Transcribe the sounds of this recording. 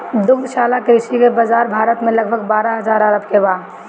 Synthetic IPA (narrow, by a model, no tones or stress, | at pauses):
d̪ʊɡd̪ʃaːlakɾɪʃikebɐzaːɾbʱaːɾət̪mẽlɐɡ̚bʱəɡbaːɾaɦɐzaːɾəɾəbkebaː